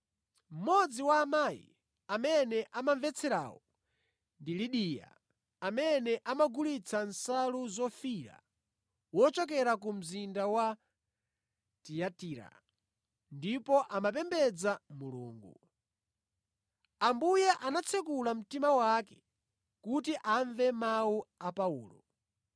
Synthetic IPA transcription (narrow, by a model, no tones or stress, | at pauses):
m̩mɔd͡ziwaːmajḭ | amɛnɛʔamaɱvɛt͡sʰɛɾa̰ːwɔ | ndiliɗija̰ | amɛnɛʔamaɡulit͡sʰansaluzɔfiɾa̰ | wɔt͡ʃɔk̬ɛɾakum̩zindawa | tijatiɾa̰ | ndipɔʔamap̬ɛmbɛd͡zamulṵːŋɡu | ambujaʔanat͡sʰɛkulam̩timawakɛ̥ | kutiʔaɱvɛmawuapauːlɔ̰